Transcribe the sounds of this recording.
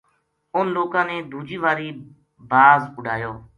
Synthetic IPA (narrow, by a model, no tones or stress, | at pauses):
ʊnloːkãːneːd̪ʱuːd͡ʒiːʋaːɾiː | baːzʊɖʱaːjoː